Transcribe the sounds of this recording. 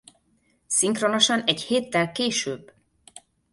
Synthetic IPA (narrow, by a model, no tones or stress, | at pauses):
siŋkrono̞ʃɒnɛɟheːt̪ːɛlkeːʃøːbː